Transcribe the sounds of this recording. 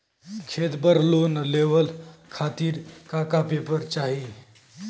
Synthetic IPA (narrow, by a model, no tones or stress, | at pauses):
kʰet̪bəɾlonleʋəlkʰat̪iːɾkakapepəɾt͡ʃaɦi